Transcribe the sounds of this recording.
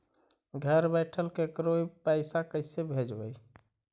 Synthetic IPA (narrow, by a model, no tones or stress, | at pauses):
ɡʱəɾbɛɪʈʰəlkekɾoipəɪsakəɪsebʱed͡ʒbəj